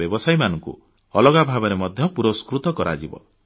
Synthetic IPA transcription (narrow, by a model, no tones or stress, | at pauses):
ɔbɔsajmanɔŋkṵ | ɔlɔɡabʱabɔɾemɔd̪ʱjɔpuɾɔskɾut̪ɔkɔɾa̰d͡ʒibɔ̰